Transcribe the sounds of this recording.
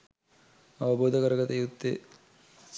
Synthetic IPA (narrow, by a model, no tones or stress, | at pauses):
ɐʋɐboːd̪ʱɐkɐɾɐɡɐt̪ejud̪ːe